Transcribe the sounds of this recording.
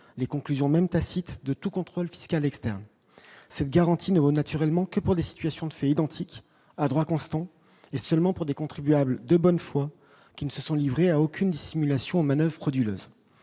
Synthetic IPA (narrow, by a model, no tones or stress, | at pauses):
lekɔ̃klyzjɔ̃mɛmt̪asit̪d̪ət̪ukɔ̃t̪χolfi̥skalɛkst̪ɛʁn | sɛt̪̚ɡaʁɑ̃t̪ʰinəvonat̪yʁɛlmɑ̃kəpuʁd̪esi̥t̪ɥasjɔ̃d̪əfɛid̪ɑ̃t̪ʰik | ad̪ʁwakɔ̃st̪ɑ̃ | esœlmɑ̃puʁd̪ekɔ̃t̪χibyabld̪əbɔnfwa | kʲinəsəsɔ̃livʁeaokʲʰynd̪isimylasjɔ̃omanœvʁχɔd̪ylø̰ːz